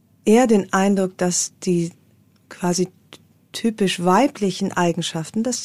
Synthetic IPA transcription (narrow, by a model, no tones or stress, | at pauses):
ʔeːɐdeːnʔaɪndʁʊkd̥asd̥iː | kʰv̥aːzi | tʰyːpɪʃv̥aɪplɪçn̩ʔaɪɡŋ̩ʃaftn̩d̥as